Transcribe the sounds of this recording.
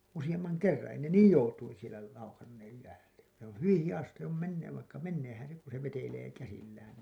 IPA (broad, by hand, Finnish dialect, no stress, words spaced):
usij̆ɑmːɑŋ kerːɑ̃ː ei ne niːj joutuin̞ sielæ lɑukɑnːeːj jæːtæ se õː hyʋĩː hijɑs sĭtːe s oˑm menːeːʋ ʋɑikːɑ menːeːhæn̞ se ku se ʋeteleː kæsilːæːn